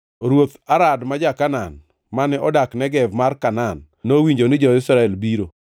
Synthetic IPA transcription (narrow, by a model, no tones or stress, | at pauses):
ɾwot̪aɾadmad͡ʒakanan | manɛʔɔdaknɛɡɛvmarkananːowiɲd͡ʒonɪd͡ʒɔɪsɾaɛlbiɾo